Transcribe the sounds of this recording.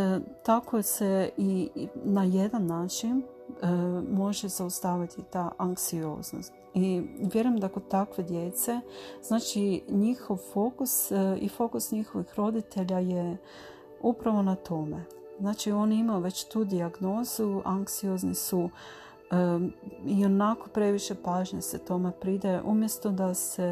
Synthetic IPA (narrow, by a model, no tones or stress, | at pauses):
t̪ako̞se̞inaje̞d̪anːaːt͡ʃin | mo̞ʒez̥aust̪aːʋit̪it̪aʔaŋksio̞̰ːzno̞̰st̪iʋje̞ɾujemd̪akod̪t̪akʋe̞d̪je̞t̪se̞z̥naːt͡ʃiɲixo̞ʋfo̞kusifo̞kusɲixo̞ʋixɾo̞d̪it̪ʰe̞ʎaje | upɾaʋo̞nat̪ʰo̞me̞ | znaːt͡ʃio̞nimajuʋe̞t͡ɕt̪uːd̪iaɡno̞ːzuaŋksio̞znisu | io̞nako̞pɾe̞ʋiʃe̞paːʒɲeset̪o̞me̞pɾid̪aʔumje̞st̪o̞d̪ase